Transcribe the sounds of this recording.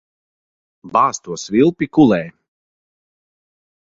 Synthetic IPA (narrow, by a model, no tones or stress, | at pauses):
baːst̪uɔsvʲilˠpikulˠɛː